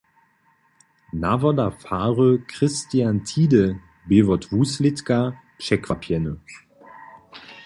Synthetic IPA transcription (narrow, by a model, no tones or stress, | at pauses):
navɔdafaːʁəkʁ̥ɪstiantʰiːdə | beːvɔtvuːslɪtka | pʃɛkvapʰjɛnə